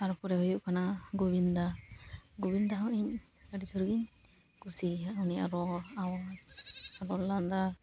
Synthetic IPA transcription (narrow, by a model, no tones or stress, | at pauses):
aɾɔpɔɾɛɦujuʔkanaɡobind̪aɡobind̪aɦɔʔiɲəɖid͡ʒuɾɡiɲ | kusiauniʔa̰ɾɔaw | aɾɔlːand̪a